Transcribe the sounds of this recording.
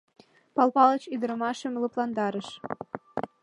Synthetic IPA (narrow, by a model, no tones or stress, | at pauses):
pɑlpɑlət͡ɕyd̪əɾəmɑʃə̆mlɤplˠɑnd̪ɑɾəʃ